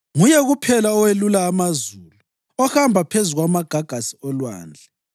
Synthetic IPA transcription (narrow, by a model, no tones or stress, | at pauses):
ŋujɛɣupʰɛlaɔwelulaːmazuːlu | ɔhambʱapʰezuɣwamaɡ̥ʱaɡ̥ʱasi̥ɔlwa̰ːnd͡ɮʱɛ